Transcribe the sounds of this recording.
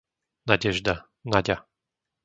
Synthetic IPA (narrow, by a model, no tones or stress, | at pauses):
naɟɛʒd̪a | naɟʲa